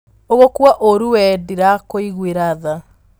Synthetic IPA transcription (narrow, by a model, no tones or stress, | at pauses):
oɣokwaʔoɾuwɛdiɾakoiɣweɾaða